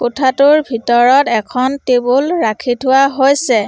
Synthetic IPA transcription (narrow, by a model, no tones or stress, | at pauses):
kotʰatʊɹbʱitɔɹɔtɛkʰɔntebulɹakʰitʰʊwaɦojsɛ